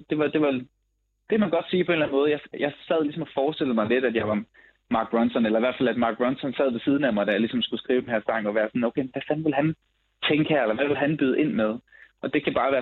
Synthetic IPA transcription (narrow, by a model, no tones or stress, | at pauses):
d̥e̝ʋɑ̈d̥e̝ʋɑ | d̥e̝kʰæmænɡ̥ɒ̽d̥siːpʰɒe̝ːnlæn̩mɔ̽ːð̞̩ˠjɑ̈ɪjɑ̈ɪsæð̞̰ˠlisɒ̽mɒfɒːsd̥e̝ləmɑɪle̝d̥æd̥jɑ̈ɪʋɑ̈ | mɑ̈ːɡ̥̚b̥ʁɒnsɒnelɐiʋæɐdfælæd̥mɑ̈ːɡ̥̚bʁɒ̽nsɒ̽nsæð̞̰ˠʋe̝sið̞ˠn̩æmɑ̈ɪd̥æjɑlisɒ̽msɡ̥usɡ̥ʁiːʊd̥enhæɐsɑ̈ŋɒ̽ʋæːɐsɒ̽n̩oʊkʰeɪmenʋæfænʋe̝lɦæn | t͡sʰeŋɡ̥əhæɐelɐʋæʋe̝lɦænb̥yð̞̩ˠʔe̝n̰með̞ˠʔɒ̽d̥e̝kʰæb̥ɑ̈ːʋæːɐ